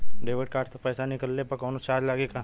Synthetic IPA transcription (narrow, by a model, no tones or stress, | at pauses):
ɖeːʋəʈ̚kaːɾʈsepɛːsanɪkəlːepɐɾkɔːnot͡ʃaːɾd͡ʒlaːɡeka